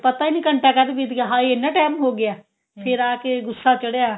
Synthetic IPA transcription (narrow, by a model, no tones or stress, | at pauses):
pət̪aːiːnĩːkəɳʈaːkəɾd̪ʋit̪ɡaːɦãːiɪnːãːʈɛːmɦoːɡɪjaː | pʰɪɾaːkeɡʊsːaːt͡ʃəɽeaː